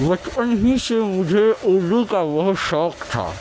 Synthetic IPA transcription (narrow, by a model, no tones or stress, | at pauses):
ʋɐt͡ʃpənɦĩsemʊd͡ʒʱeoːlukaʋɐɦʃɔːkt̪ʰa̰ː